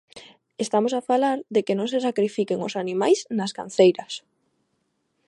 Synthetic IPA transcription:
est̪amosafalaɾðekenõŋsesakɾifikeŋosanĩmajsnaska̰n̟θejɾɐs

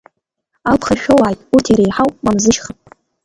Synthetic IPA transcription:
alpʰχaʃᶣowaːjtʼutʰiɾejħawmamzɨʃχapʼ

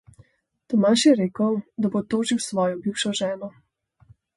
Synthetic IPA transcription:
t̪ɔmaʃjɛɾeːkəwd̪abot̪oːʒiwsʋɔːjɔbiwʃɔʒɛːnɔ

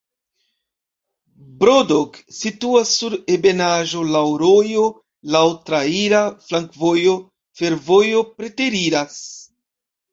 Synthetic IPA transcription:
bɾodoksituasːuɾebe̞naʒo̞lawɾo̞jo̞ | lawtɾaiɾaflaŋkvo̞jo̞ | fe̞ɾvo̞jo̞pɾe̞te̞ɾiɾas

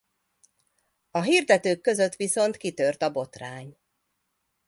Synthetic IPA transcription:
ɒɦird̪ɛt̪øːkːø̞zø̞t̪ʋiso̞nt̪kit̪ørt̪ɒbo̞t̪raːɲ

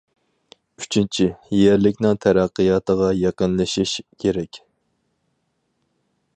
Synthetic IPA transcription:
yt͡ʃʰint͡ʃʰijæɾlɪkʲnɪŋt̪ʰæɾæqːɨjɑt̪əʁɑjɑqənlˠɨʃiʃkʲʰeɾɛkʲ

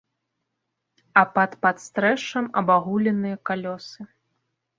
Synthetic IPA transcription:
ɐpɐt̪pat̪st̪ɾɛʂɐmɐbaɣulʲɛnɨjɐkalʲɔsɨ

